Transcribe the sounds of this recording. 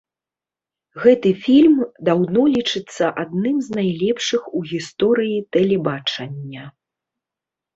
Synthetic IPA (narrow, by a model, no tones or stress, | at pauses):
ɣɛt̪ɨfʲilʲmd̪awnɔlʲit͡ʂɨt̪sːɐʔad̪̚nɨmznajlʲɛpʂɨxuɣʲist̪ɔɾɨjit̪ɛlʲɛbat͡ʂɐnʲːɐ